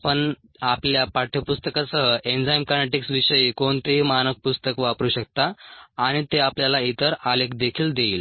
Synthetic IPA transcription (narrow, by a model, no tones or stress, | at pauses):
pəɳ | apljapaʈʰjəpust̪əkasəɦəʔend͡zajmkaɾneʈiksʋiɕəjikoɳt̪eɦimanək̚pust̪əkʋapɾuːɕək̚t̪aːɽ̃it̪eapljalait̪əɾalekd̪ekʰiːld̪eiːl